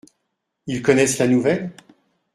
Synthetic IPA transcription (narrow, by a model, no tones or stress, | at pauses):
ilkɔnɛslanuvɛl